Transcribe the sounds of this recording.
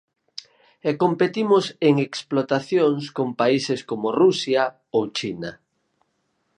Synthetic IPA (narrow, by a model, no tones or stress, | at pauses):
ɛkompet̪imʊseŋeksplot̪aθjoŋskompaiseskomorusja | owt͡ʃina